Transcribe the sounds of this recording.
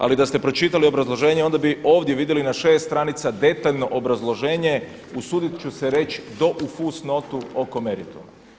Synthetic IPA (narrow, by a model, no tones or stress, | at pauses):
a̰lid̪ast̪e̞pɾo̞t͡ʃit̪alio̞bɾazlˠo̞ʒe̞ːɲe̞o̞nd̪abio̞ːʋd̪jeʋid̪jelinaʃe̞ːst̪ɾanit̪sad̪e̞t̪aʎno̞ʔobɾazlˠo̞ʒe̞ːɲe̞ | usuːd̪it̪t͡ʃuseɾe̞t͡ʃd̪o̞ʔufusno̞t̪uoko̞meɾit̪o̰ma